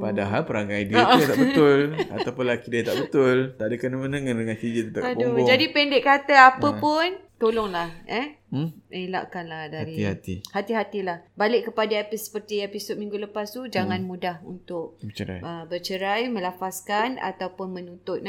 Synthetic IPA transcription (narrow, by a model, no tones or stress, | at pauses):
padaɦalpəɾaŋajdat̪abəʊla̰t̪awpʊnlakidiat̪aʔbət̪ʊlt̪aʔdəkanəmənəŋandəŋãnt̪id͡ʒit̪ət̪apdud͡ʒadipɛndɪʔkːat̪əapəpʊnt̪olɔŋlahɛ | ela̰ʔkanlahdaaɾiihat̪ihat̪iɦat̪ilahbalɪʔkːəpadaepisə̥pərt̪iepisɔt̪̚mĩŋɡuləpast̪ud͡ʒaŋãnmudahunt̪ʊʔ̚bət͡ʃəɾa̰jəbət͡ʃəɾajmə̃lafaskana̰t̪awpʊnmə̃nut̪ʊt̪̚na